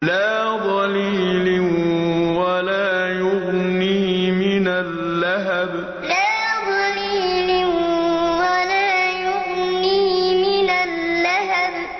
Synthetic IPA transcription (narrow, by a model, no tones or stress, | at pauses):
laːðˤɑlilɪwalaːjʊɣnimɪnalːaɦab | laːðˤɑliːlɪwalaːjʊɣniːmɪnalːaɦab